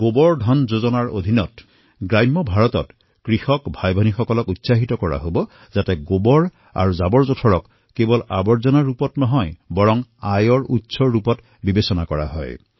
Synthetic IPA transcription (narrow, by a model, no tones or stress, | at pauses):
ɡ̥obɔɹdʱɔnzozɔnaɹo̰dʱinɔt | ɡɹajmːɔbʱaɹɔtɔ̰t | kɹixɔkbʱajbʱɔnixɔkɔlɔkutsaɦitɔkɔɹa̰ɦobɔ | zatɛɡobɔɹ | a̰ɹuzabɔɹzotʰɔɹɔkː | ebɔlabɔɹzɔnaɹupɔtnɔɦɔjbɔɹɔŋajɔɹutsɔɹːupɔt | bibesɔnakɔɹa̰ɦɔ̰j